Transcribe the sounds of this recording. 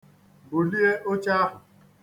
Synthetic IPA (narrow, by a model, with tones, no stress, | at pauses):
bʊ˨li˦e˦ʔo˦t͡ʃa˦ɦʊ˨